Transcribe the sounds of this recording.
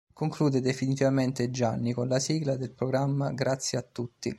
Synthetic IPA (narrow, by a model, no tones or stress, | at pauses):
koŋkluːd̪ed̪efinit̪ivament̪ed͡ʒanːikonlasiːɡlad̪elpɾoɡɾamːaɡɾat̪sːjeat̪ːut̪ːi